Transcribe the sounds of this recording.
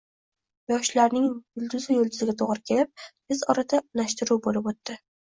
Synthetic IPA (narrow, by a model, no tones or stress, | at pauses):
jɒʃlaɾnɪŋjʊlˠd̪ʊzɪjʊlˠd̪ʊzɪɡʲat̪ʰoʁɾɪkʲʰe̞lɪp̪̚ | ɪzɒɾad̪anaʃt̪ɪɾuwbolɪpot̪ːɪ